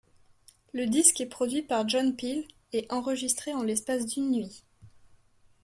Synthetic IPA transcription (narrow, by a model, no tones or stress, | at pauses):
ləd̪iskɛpχɔd̪ɥipaʁʒɔnpil | ɛɑ̃ʁəʒist̪χeɑ̃lɛspasd̪ynːɥi